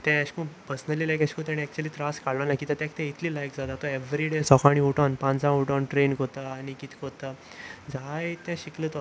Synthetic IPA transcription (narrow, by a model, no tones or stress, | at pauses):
t̪ɛ̃ːɕkũpəɾsnəlːiːlajkaɕkõt̪jãɽiɛk̚t͡ɕuəliːt̪ɾaskaɭlənakit̪ãt̪ãkt̪ɛ̃it̪ʰliːlajkd͡zat̪at̪ɔeʋɾiɖesɔkʰaɽ̃iuʈɔ̃npãnd͡zãuʈɔ̃nʈɾenkot̪aːñikit̪ʰi̥kot̪a | d͡zajt̪ãɕikləːt̪ɔ